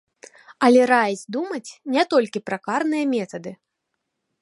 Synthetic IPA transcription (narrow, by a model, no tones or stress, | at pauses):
ɐlʲɛɾajzʲd̪umɐt͡sʲnʲɛt̪ɔlʲkʲipɾɐkarnɨjɐmʲɛt̪ɐd̪ɨ